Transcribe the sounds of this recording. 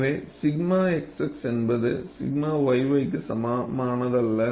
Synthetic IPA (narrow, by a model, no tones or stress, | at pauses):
ʋeːsɪɡmaːɛksɐksɛnbɐðɯ̰sɪ̰ɡmaːʋɐɪʋɐɪkːɯsɐmaːmaːnɐðɐlːɐ